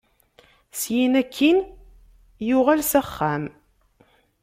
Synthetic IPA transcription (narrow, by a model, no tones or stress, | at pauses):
sjinækʰːin | jʊʁælsæχːæm